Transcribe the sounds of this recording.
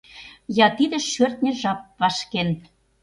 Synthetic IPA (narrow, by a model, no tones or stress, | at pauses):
jɑt̪id̪ĕʃørt̪̚nʲĕʒɑp̚vɑʃken